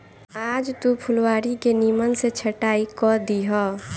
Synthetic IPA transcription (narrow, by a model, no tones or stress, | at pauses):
aːd͡ʒt̪upʰʊlwaːɾikenimənset͡ʃʰəʈaːikɔd̪iɦɔ